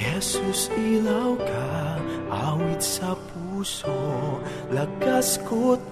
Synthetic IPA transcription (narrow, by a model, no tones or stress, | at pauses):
ɛsusilawkʰaʔawit̪̚sɐpʰuso | lɐɡaskot̪̚